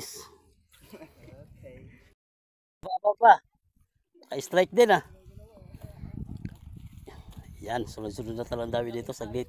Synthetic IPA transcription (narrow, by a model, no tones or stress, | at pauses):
s | babapa | kaist̪ɾaik̚d̪ɛna | jansolazununat̪aland̪awidɛt̪osaɡlet̪